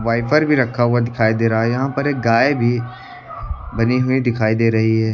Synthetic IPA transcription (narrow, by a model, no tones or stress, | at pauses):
ʋaːɪpəɾbʱiɾɐkʰːaɦʊad̪ɪkʰaːid̪eːɾɐɦaɛjɐɦãpɐɾeːk̚ɡaːebʱi | bɐniɦʊid̪ɪkʰaːid̪eːɾɐɦiɦɛː